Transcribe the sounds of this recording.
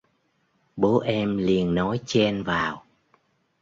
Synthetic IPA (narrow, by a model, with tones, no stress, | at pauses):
ɓo˨˦ʔɛ˧mli˨˩ənːɔ˨˦jt͡ɕɛ˧nvaː˨˩w